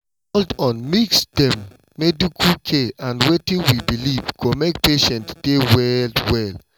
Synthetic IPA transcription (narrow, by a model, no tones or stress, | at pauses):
ɔldɔ̃nmiksd̥ɛ̃mː | edukʰukʰeãndwetĩŋwibilivɡomek̚peʃɛ̃ntd̥ewɛldwɛl